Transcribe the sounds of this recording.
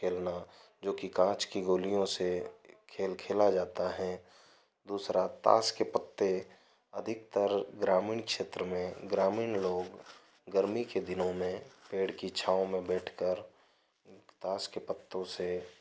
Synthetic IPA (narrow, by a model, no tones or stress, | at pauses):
kʰeːlna | d͡ʒoːkikãːt͡ʃkiɡoːlijõsekʰeːlkʰeːlad͡ʒaːt̪aɦɛ | d̪uːsɾat̪a̰ːskepət̪ːe | ɐd̪ʱɪk̚t̪əɾɡɾaːmɪːɳkʃeːt̪ɾəmẽɡɾaːmɪːnloːɡ | ɡəɾmiked̪ɪnõmẽpeːɽkit͡ʃʰaːõmẽbɛːʈʰkəɾ | t̪aːskepət̪ːõse